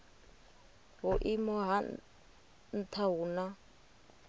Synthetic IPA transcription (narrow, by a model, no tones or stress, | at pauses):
ɦuʔimɔɦa | n̩t̪ʰaɦuːna